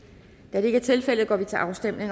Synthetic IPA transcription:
d̥æɐɾ̥e̝e̝ɡ̥æɐt͡sʰe̝lfel̰əðˠɡ̥ɒ̰ːʋit͡sʰe̝lʔɑ̈ʊsd̥em̰ne̝ŋ

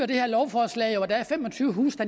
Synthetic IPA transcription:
ɐd̥e̝hæɐ̰lɒʊfɒːslɛ̰ɪoɒd̥ææɐfem̰ɒ̽t͡sʰyːʊəɦusd̥æ

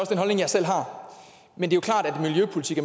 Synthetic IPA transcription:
ɒ̽səd̥enɦɒ̽lne̝ŋjɑ̈ɪsel̰ɦɑ̈ | mend̥e̝jokʰlɑ̰̈ːd̥æd̥miljøpʰo̝lit͡sʰiɡ̥æ

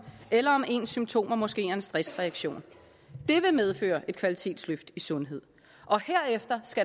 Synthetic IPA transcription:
elɐɒ̽me̝̰ːnsymt͡sʰo̝̰ːmɒmɒ̽sɡ̥e̝̰ːæensd̥ʁɛsʁɛæɡ̥ɕo̝̰ːn | d̥e̝ʋe̝með̞ˠfø̰ːɐʔe̝d̥kʰʋælit͡sʰe̝̰ːd̥sløfd̥isɔ̽nɦe̝ð̞̰ˠ | ʔɒ̽heɐ̰efd̥ɐsɡ̥æ

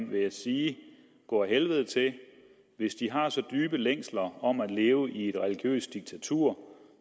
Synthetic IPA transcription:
nʋe̝jæsiː | ɡ̥ɒ̰ːɦelʋəð̞̩ˠt͡sʰe̝ | ʋe̝sd̥iɦɑ̈sɒ̽d̥yːb̥əleŋ̰slɐɒ̽mæ̥le̝ːʊʔie̝d̥ʁɛliɡ̥jø̰ːsd̥d̥iɡ̥̚t͡sʰæt͡sʰuɐ̰

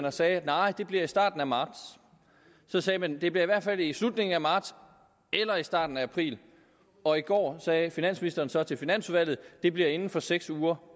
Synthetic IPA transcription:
nɐsɛːæ̥nɑ̈ɪ̰d̥e̝b̥liɐisd̥ɑ̈ːd̥n̩æmɑ̈ːd̥sː | ɒ̽sɛːmænd̥e̝b̥liɐiʋæɐd̥fælislud̥ne̝ŋn̩æmɑ̈ːd̥s | ʔelɐisd̥ɑ̰̈ːd̥n̩ææpʰʁḭːl | ɒ̽iɡ̥ɒ̰ːsɛːfinæn̰sminisd̥ɐːn̩sɒ̽t͡sʰe̝lfinæn̰suʋæl̰ð̩ˠd̥e̝b̥liɐe̝nn̩fɒ̽seɡ̥suːɐ

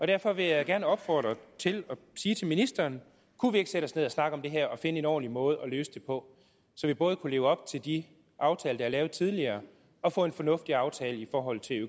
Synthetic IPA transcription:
ɒ̽ɾ̥æɐfɒ̽ʋe̝jɑ̈ɪɡ̥æɐnəɒ̽b̥fɒ̰ːd̥ʁɐt͡sʰe̝lɒ̽siːt͡sʰe̝lminisd̥ɐːn | kʰuʋie̝ɡ̥sedɾəɒ̽sne̝ð̞̰ˠɒsnɑ̈ɡ̥əɒ̽md̥e̝ɦæɐ̰ɒ̽fe̝nəe̝nɒ̰ːnlimɔ̽ːð̞̩ˠɒ̽lø̰ːsə̥d̥e̝pʰɒ̽ | sɒ̽ʋib̥ɔ̽ːð̞̩ˠkʰule̝ːʊəɒ̽b̥̚t͡sʰe̝ld̥i | ʔɑ̈ʊt͡sʰɛːləd̥ɑhæɐlɛːʊð̞̩ˠt͡sʰið̞ˠliɐː | ɒ̽fɔ̰̽ːe̝nfɒ̽nɔ̽fd̥iɑ̈ʊt͡sʰɛːləifɒːɦɒ̽l̰t͡sʰe̝lø

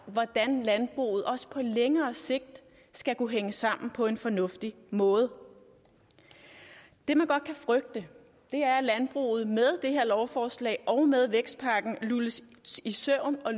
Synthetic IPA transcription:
ʋɒd̥ænlænb̥ʁṵːð̩ˠɒ̽sə̥pʰɒ̽leŋɐːse̝ɡ̥̚d̥ | sɡ̥ækʰuɦeŋəsɑ̈m̰n̩pʰɒ̽e̝nfɒ̽nɔ̽fd̥i | mɔ̽ːð̞ˠə | d̥e̝mænɡ̥ɒ̽d̥̚kʰæfʁœɡ̥̚d̥ə | d̥e̝æɐlænb̥ʁṵːð̞̩ˠmeð̞ˠd̥e̝ɦe̝ɐ̰lɒʊfɒːslɛ̰ːʔɒʊmeð̞ˠʋeɡ̥sd̥̚pʰɑ̈ɡ̥n̩luləs | isœʊ̰nɒ̽

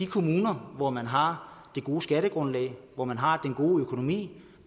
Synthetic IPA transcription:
d̥ikʰo̝muːnɐʋɒmænɦɑ̈d̥e̝ɡ̥o̝ːəsɡ̥æɾ̥əɡ̥ʁɔ̽nlɛ̰ɪʋɒmænɦɑ̈d̥enɡ̥o̝ːøkʰo̝no̝mḭː

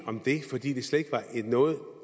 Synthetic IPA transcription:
ɒ̽md̥e̝fɒ̽d̥ḭːd̥e̝sleð̥ˠe̝ɡ̥ʋɑ̈ʔe̝d̥nɔ̽ːð̩ˠ

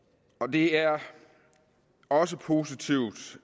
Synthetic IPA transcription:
ɒ̽d̥e̝æɐ | ɒ̽səpʰo̝ːsit͡sʰiʊd̥

